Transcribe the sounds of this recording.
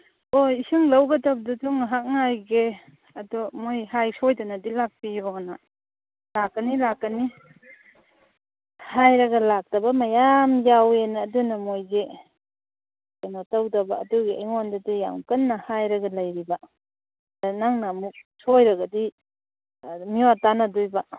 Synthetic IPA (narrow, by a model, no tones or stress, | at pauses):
oisɯŋlɐwɡɐdab̚datuŋaɦak̚ŋajɡe | ɐdɔmojhajsojdanɐdilak̚piɔɡna | lakːɐnilakːɐni | hajɾɐɡɐlak̚tɐbɐmajamjawenːdunɐmojɡe | kanɔtawdɐba̰ːduɡiajŋondadija̰ŋkɐnːɐhajɾɐɡɐlajɾiba | danaŋnamuk̚sojɾɐɡɐdi | miwatanadujba